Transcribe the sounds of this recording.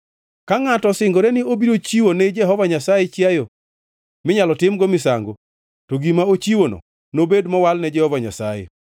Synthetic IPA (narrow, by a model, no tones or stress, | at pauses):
kaŋatɔsɪŋɡoɾɛnɪobiɾot͡ʃiwonɛd͡ʒɛɦɔvaɲasajɛt͡ʃjajo | mɪɲalɔtɪmɡomɪsa̰ŋɡo̰ | toɡimaot͡ʃiwonɔ̰ | nobedmɔwalnɛd͡ʒɛhɔvaɲa̰sajḛ